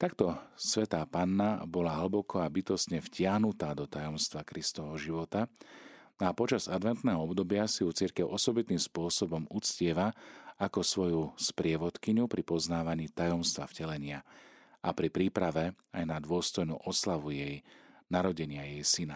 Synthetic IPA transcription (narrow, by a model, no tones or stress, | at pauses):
t̪akt̪ɔsʋɛt̪aːpaːnːabɔlaɦl̩bɔkʰɔabit̪ɔst̪ɲɛfcɪaɦnut̪aːd̪ɔt̪ajɔmst̪ʋakɾist̪ɔʋɦɔʒiʋɔt̪a | apɔt͡ʃazad̪ʋɛnt̪nɛːɦɔɔbd̪ɔbɪasijut͡siɾkɛʊʔɔsɔbit̪iːmspʊɔsɔbɔmut͡scɪɛʋaakɔsʋɔjuspɾɪɛʋɔt̪kiɲupɾipɔznaːʋaɲiːt̪ajɔmst̪ʋa̰fcɛlɛɲɪa | ʔapɾipɾiːpɾaʋɛ | ajnad̪ʋʊɔst̪ɔjnṵːʔɔslaʋujɛjnaɾɔɟɛɲɪajɛjsina